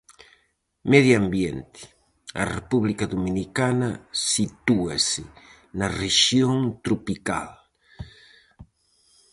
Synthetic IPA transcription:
meðjambjent̪ɪ̥ | ɐ̰repuβlikaðominikanɐsit̪ua̰sɪ | nɐreʃjoŋt̪ɾupika̰l

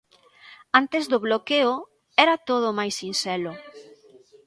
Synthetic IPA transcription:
ant̪ezdoβlokeʊ | ɛɾat̪oð̞ʊmajsinsɛlʊ

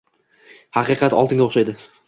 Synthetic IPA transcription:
hɑqɨqʰɑt̪ɒlˠt̪ʰɪŋd̪ʲaoʃajd̪ɪ

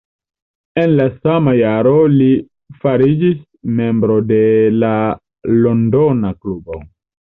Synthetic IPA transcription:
e̞nlasamajaɾo̞li | faɾid͡ʒis | me̞mbɾo̞de̞la | lo̞ndonaklubo̞̰

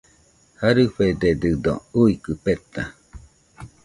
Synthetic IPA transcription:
haɾɨɸed̪ed̪ɨd̪o̰uikɯpet̪a

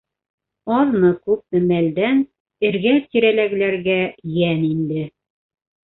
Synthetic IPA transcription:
ɑðnɤkʉp̚mɘ̆mæld̪æn | ɘ̆ɾɡæt̪iɾælæɡ̆læɾɡæjænind̪ɘ

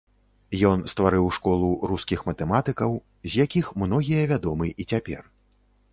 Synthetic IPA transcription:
jɔnst̪vaɾɨwʂkɔlˠuɾuskʲixmɐt̪ɛmat̪ɨkɐw | zʲjakʲixmnɔɣʲijɐvʲad̪ɔmɨʔit͡sʲapʲɛ̰r

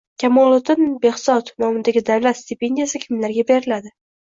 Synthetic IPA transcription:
kʲʰamɒlˠot̪ʰɪnbe̞hsɒt̪nɒmɪd̪aɡʲɪd̪awlat̪st̪ɪpe̞nd̪ijasɪkʲʰɪmlaɾɡʲabe̞ɾɪlad̪ɪ

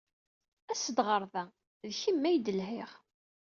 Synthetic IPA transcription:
æsəd̪ʁəɾˤðæ | ðçimːæjd̪əlɦɪʁ

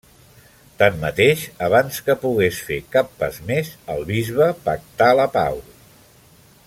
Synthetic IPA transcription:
t̪amːət̪eʃəβanskəpuɣ̞esfekapːa̰zmezəlˠβizβəpək̚t̪aləpa̰w

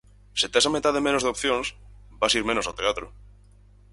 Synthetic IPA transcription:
set̪esamet̪aðemẽnozðeop̚θjõŋs | basiɾmẽnosawt̪eat̪ɾʊ

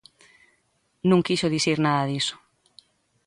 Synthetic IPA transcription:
nũŋkiʃoðiθiɾnaðɐðiso̥

